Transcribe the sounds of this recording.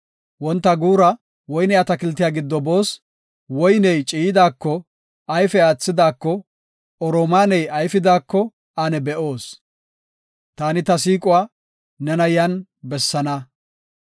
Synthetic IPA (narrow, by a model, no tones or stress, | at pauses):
wɔnt̪ːɐɡuːɾɐ | wɔjnɛjɐt̪ɐkɪlt̪ːɪjaːɡɪd̪ːɔbo̞ːs | wɔjnɛjt͡ʃʼiːjɪd̪aːkːɔ | ɐjfɛaːt͡sːɪd̪aːkːɔ | ɔɾoːmaːnɛjɐjfɪd̪aːkːɔ | anɛbɛʔo̞ːs | t̪aːnɪt̪ɐsiːkʼʊwaː | nɛnɐjɐnbɛsːɐnɐ